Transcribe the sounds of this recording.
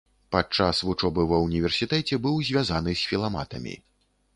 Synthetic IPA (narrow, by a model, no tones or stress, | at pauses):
pat͡ʂasvut͡ʂɔbɨvɐwunʲivʲɛrsʲit̪ɛt͡sʲɛbɨwzʲvʲazanɨsʲfʲilˠamat̪ɐmʲḭ